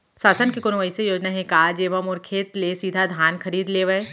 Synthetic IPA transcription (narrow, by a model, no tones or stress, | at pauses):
saːsənkekʊnʋəisejoːd͡ʒnaɦɛ̃kaːd͡ʒeːʋəmɔːɾkʰeːt̪lesiːd̪ʱad̪ʱaːnkʰɐɾiːd̪leːʋəe